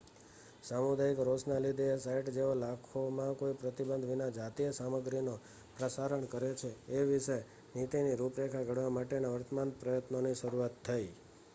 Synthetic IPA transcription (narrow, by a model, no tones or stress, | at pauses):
samud̪aikɾosnalid̪esaiʈd͡ʒeolakʰomãkoipɾət̪ibənd̪ʱʋinad͡ʒat̪ijəsaməɡɾino | pɾəsaɾəɳkəɾjet͡ʃʰeːʋiʃe | nit̪iniɾupɾekʰaɡʱəɽʋamaʈenaʋəɾt̪əmanpɾəjət̪noniʃəɾuat̪ʰːai